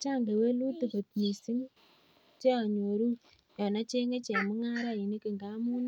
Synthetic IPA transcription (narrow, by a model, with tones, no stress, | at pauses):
t͡ʃa˦˨ŋɡe˨we˦lu˦tu˨ko˨tɲi˨si˦ŋ | t͡ʃe˦a˨ɲo˨ɾu˦ | jɔ˨na˦t͡ʃe˦ŋe˦t͡ʃe˨mʊ˦ŋa˦ɾa˦˨i˨ne˦ki˨ŋɡa˦mu˦n˦